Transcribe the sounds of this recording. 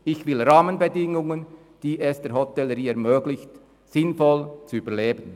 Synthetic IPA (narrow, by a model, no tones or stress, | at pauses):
ɪçvɪlɾaːmənbədɪŋʊŋən | d̥iːʔɛsd̥ɛːɾhɔtɛlːəɾiːɛɐʁmøːɡlɪçt | sɪnfɔlt͡suyːbəleːbən